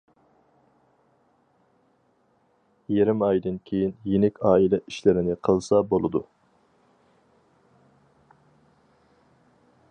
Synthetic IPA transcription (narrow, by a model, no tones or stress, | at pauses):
jeɾɪmɑjd̪ɨnkʲʰejinjenɪkʲɑːilɛʔiʃlɪɾɪnɪqʰəlˠsɑbolˠɨd̪u